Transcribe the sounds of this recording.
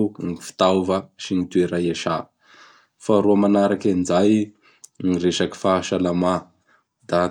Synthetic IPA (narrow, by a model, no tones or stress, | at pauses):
ŋifi̥t̪awvəʃinit̪ueɾajaʃa | faɾuamanaɾakand͡ʒaj | ŋireʃaki̥faʃalama | d̪a